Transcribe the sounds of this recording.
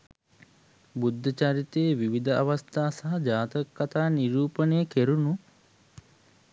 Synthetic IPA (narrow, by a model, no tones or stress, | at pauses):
bud̪ʱːɐt͡ʃaɾit̪eːʋiʋid̪ɐʔɐʋɐst̪ʰaːsɐɦɐd͡ʒaːt̪ɐkːɐt̪aːniɾuːpənejəkeɾunu